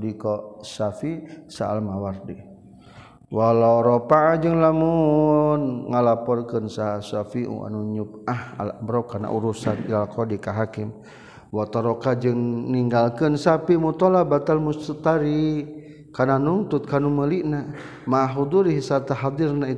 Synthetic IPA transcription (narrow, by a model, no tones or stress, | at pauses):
dikɔsafisaa̰lmawardi | walawɾopaad͡ʒɨŋlamunŋalapɔrkənsasafiʔṵʔa̰nuɲup̚aha̰la̰bəɾakana̰ʔuɾusanḭlalkɔdikaɦakɪm | wat̪aɾokad͡ʒɨŋniŋɡalkənsapimut̪ɔlabat̪almust̪ət̪aɾi | kananunt̪ʊt̪̚kanuməliʔna | maɦud̪uɾiɦsat̪aɦad̪irnai